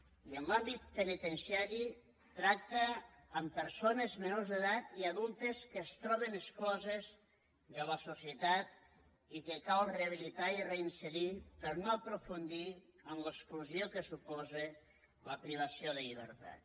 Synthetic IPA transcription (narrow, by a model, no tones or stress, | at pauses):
iənlambit̪̚penit̪ensiaɾi | t̪ɾak̚t̪əːmpəɾsonezmenuzðəðat̪iaðulˠt̪eskəːst̪ɾɔβenəsklɔzez | ðələsusjət̪at̪ | ikekalˠreəβ̞ilit̪aireinseðipəɾnoəpɾufund̪iəmləkskluzjokesupɔze | ləpɾiβ̞ɐsioðeʎiβ̞ə̰ɾt̪a̰t̪